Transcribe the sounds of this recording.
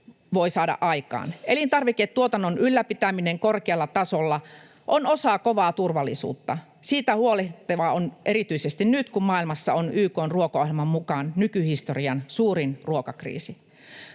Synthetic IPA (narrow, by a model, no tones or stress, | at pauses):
ʋoisɑːdɑ̰ʔʔɑikɑ̰ːnelint̪ɑrʋiket̪t̪ːuot̪ɑnːonʔylːæpit̪æmineŋkorkeɑlːɑt̪ɑsolːɑ | ʔonosɑkoʋɑːt̪urʋɑlːisṵːt̪ːɑ | siːt̪æhuoleht̪eʋɑonʔeɾit̪yisest̪innyt̪kummɑilmɑsːɑonyːkoːnruokoohilmɑmmukɑnnykyhist̪oriɑnsuːrinruokɑkrḭːsi